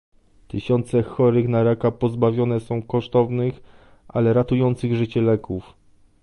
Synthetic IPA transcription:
t̪ɘɕɔnt̪sɛxɔɾɘxnaɾakapɔzbavʲjɔnɛsɔ̃w̃kɔʂt̪ɔvnɘx | ʔa̰lɛɾat̪ujɔnt̪sɘɣʐɘt͡ɕɛlɛkuf

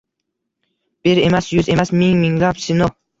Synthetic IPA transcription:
b̥eɾemasjʊzemasmɪŋmɪŋlapsɪno

